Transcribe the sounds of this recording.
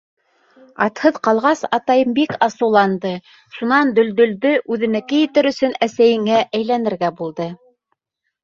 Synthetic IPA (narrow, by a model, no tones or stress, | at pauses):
ɑ̰t̪hɤðqɑlˠʁɑsɑt̪ɑjɤmbikɑsɤ̆wlˠɑnd̪ɤ | ʃunɑnd̪ɵ̆ld̪ɵ̆ld̪ɵʔʉðɘ̆nækɘjɘ̆t̪ɘɾɵ̆sɵnæsæjɘ̆ŋæʔæjlænɘ̆ɾɡæbulˠd̪ɤ